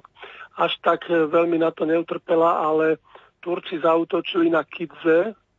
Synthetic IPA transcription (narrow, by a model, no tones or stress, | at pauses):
aʃt̪akʋɛlminat̪ɔɲɛut̪r̩pɛlaalɛ | t̪uɾt͡sizauːt̪ɔt͡ʃilinakʰid͡zɛ